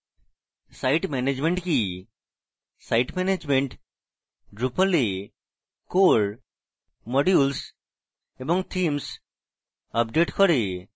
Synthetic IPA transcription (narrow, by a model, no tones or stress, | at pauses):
sajʈmɛned͡ʑmẽɳʈki | sajʈmɛned͡ʑmeɳʈ | ɖɾupəle | koɾ | mɔɖjuls | ebɔŋt̪ʰims | əp̚ɖeʈkɔɾe